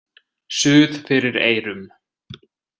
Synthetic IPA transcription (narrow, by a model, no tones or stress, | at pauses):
sʏːðfɪɾɪɾeːjɾʏm